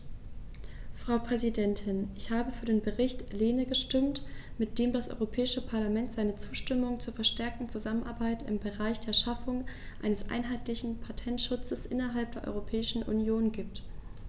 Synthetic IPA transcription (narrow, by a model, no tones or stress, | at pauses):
fʁ̥aʊpʁ̥ɛzidɛntʰɪnʔɪçhaːbəfyːɐdeːnbəʁɪçtleːnəɡəʃtɪmtmɪt̚d̥eːmdasʔɔ̰ʏʁopʰɛːɪʃəpʰaɐlamɛntz̥aɪnət͡su̥ːʃtɪmʊŋt͡suːɐfɛɐʃtɛɐk̚tn̩t͡suzamənʔa̰ɐbaɪtɪ̰mbəʁaɪçd̥eːɐʃafʊŋ | ʔaɪnəsʔa̰ɪnɦaɪtlɪçn̩pʰatʰɛntʃʊt͡səsʔɪnɐɦalp̚d̥eːɐʔɔ̰ʏʁopʰɛːɪʃn̩ʔṵnjoːnɡiːp̚t